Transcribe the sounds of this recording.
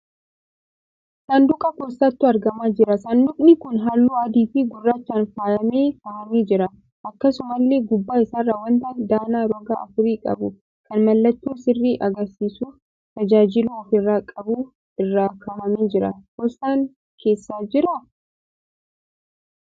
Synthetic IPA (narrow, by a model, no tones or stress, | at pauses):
sɐnd̪ʊkʼɐkost̪ɐt̪ːʊɐɾɡɐmaːd͡ʒɪɾɐsɐnd̪ʊkʼnɪkʊnɦalːuːɐd̪iːfɪɡʊrːaːt͡ʃːaːnfaːjɐmeːkaːhɐmeːd͡ʒɪɾɐ | ʔɐkːɐsʊmɐlːe̞ːɡʊbːaːɪsaːrːaːwɐnt̪ɐnd̪aːnaːɾɔɡa̰ːʔɐfʊɾiːkʼɐ̰bʊ | kɐnmɐlːɐt̪ːuːsɪrːiːʔɐɡɐɾsiːsuːf | t̪ɐd͡ʒaːd͡ʒɪluːɔfɪrːaːkʼɐbuː | ɪrːaːkaːhɐmeːd͡ʒɪɾɐ̰kost̪aːŋ | kʰe̞ːsːaːd͡ʒɪɾɐ